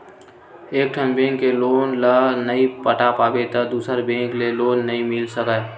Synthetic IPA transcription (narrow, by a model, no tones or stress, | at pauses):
eːk̚ʈʰənbẽːŋkːeloːnlənəipəʈapaːbet̪əd̪uːsəɾbẽːŋkleloːnːəɦĩmɪlsəkə